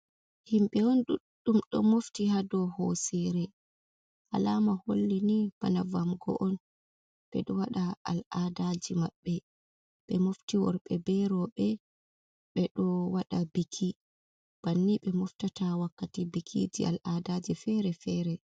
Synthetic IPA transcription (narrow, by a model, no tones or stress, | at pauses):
himɓɛɔnɗuɗːumɗɔ̰moftihadɔhosiɾɛ | ʔalamaholːinib̥anavamɡɔ̰ʔɔn | ɓ̥ɛ̰ɗɔwaɗaa̰ladad͡ʒimaɓːɛ | ɓɛmoftiwɔ̰ɾɓɛbɛɾɔɓɛ | ɓɛɗɔwaɗabikʰi | b̥anːiɓɛmɔftatawakːatibikʰḭd͡ʒḭʔa̰lʔadad͡ʒifɛɾɛfɛːɾɛ